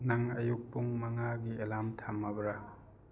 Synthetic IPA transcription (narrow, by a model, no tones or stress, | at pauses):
naŋɐjuk̚puŋmɐŋaɡielamtʰamːabɾa